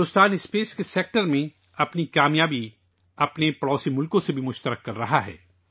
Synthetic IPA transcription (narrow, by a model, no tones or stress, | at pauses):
ʊst̪aːnɪspeːskeseːk̚ʈəɾmẽ | ɐpnikaːmjaːbi | ɐpnepɐɽɔːsimʊlkõsebʱimʊʃt̪əɾəkːɐɾːɐɦaɦɛ̰ː